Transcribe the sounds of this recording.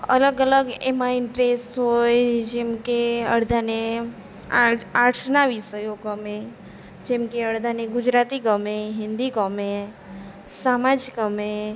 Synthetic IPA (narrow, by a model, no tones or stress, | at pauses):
ə̰ləɡələɡemaɪnʈɾesʈɦojd͡ʒimkeəɽd̪ʱane | aaʈʰnaʋisəjoɡəme | d͡ʒemkeəɽd̪ʱaneɡʊd͡ʒɾat̪ikəmeɦɪ̃nd̪ikəme | samad͡ʒkəmẽ